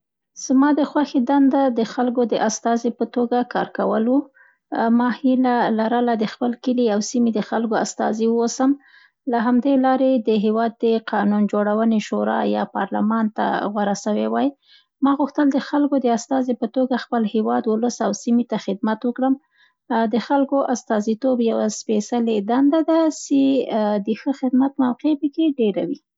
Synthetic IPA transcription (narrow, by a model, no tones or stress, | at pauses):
z̥mɑd̪əxwaxed̪and̪ad̪əxalkod̪əʔast̪ɑzepət̪oɡakɑɾkawəlwu | mɑhilalaɾəlad̪əxpəlkəliawsimid̪əxalkoa̰st̪ɑ̰ziwosəm | laɦamd̪elɑɾed̪əɦewɑd̪ːəqʰɑnund͡ʒoɽawəneʃoɾɑ̰jɑ̰pɑ̰ɾlamɑnt̪a̰ɣwaɾasawewɑj | mɑɣuxt̪əld̪əxalkod̪əast̪ɑzepət̪oɡaxpəlhewɑd̪wʊləsawsimit̪axɪd̪̚mat̪wəkɽəm | d̪əxalkoʔast̪ɑzit̪objawaspesaled̪and̪ad̪ased̪əxəxɪd̪mat̪mawqepəkeɖeɾawi